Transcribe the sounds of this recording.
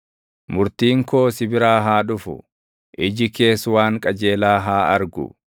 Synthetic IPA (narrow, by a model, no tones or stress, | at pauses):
mʊɾt̪iːŋko̞ːsɪbɪɾaːɦaːᶑʊfʊ̰ | ʔɪd͡ʒɪke̞ːswaːŋkʼɐd͡ʒe̞ːlaːɦaːɐɾɡʊ̰